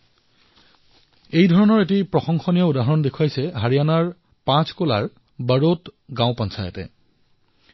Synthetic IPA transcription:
ejdʱɔɹɔnɔɹet̬ipɹɔxɔŋxɔnijɔudaɦɔɹɔndekʰwajsɛɦaɹijanaɹ | pãskola̰ɹ | bəɹotɡãw̃pɔnsʰajɔ̰tɛ̰

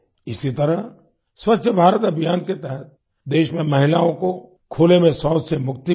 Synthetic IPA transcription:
ɪsit̪ɐɾəɦ | swətːʃʰəbʱaːɾət̪ɐbʱɪjaːnket̪ɛɦət̪̚ | d̪eːʃmẽmɐɦɪlaːõko | kʰoːlemẽsaːsemʊk̚t̪i

